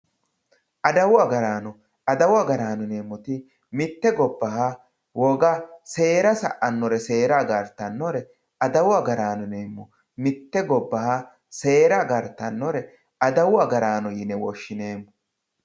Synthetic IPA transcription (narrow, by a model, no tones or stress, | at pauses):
ʔɐd̪ɐwʊɐɡɐɾaːnɔ | ɐd̪ɐwɐɡɐɾaːnʊne̞ːmːɔt̪ɪ | mɪt̪ːɛɡɔbːɐɦa | wɔɡɐse̞ːɾɐsɐ̰ʔɐnːɔɾɛse̞ːɾaɡɐɾt̪ːɐnːɔɾɛ | ɐd̪ɐwɐɡɐɾaːnʊneːmːɔ | mɪt̪ːɛɡɔbːɐha | se̞ːɾɐɡɐɾt̪ːɐnːɔɾɛ | ɐd̪ɐwʊɐɡɐɾaːnɔjɪnɛwɔʃːɪne̞ːmːɔ